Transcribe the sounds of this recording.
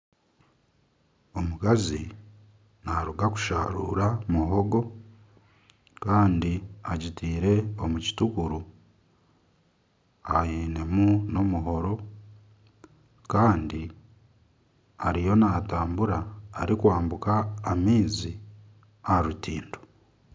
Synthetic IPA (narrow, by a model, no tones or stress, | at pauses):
omukazi | naɾuɡaku̥ʃa̰ɾṵːɾamuɦo̞ɡo̞ | kaːndiaɟitiːɾe̞omuci̥tukuɾu | ajiːne̞muno̞muɦo̞ɾo̞ | kaːndi | aɾijo̞nataːmbuɾaːɾikwaːmbukaːmiːzi | aɾutiːndo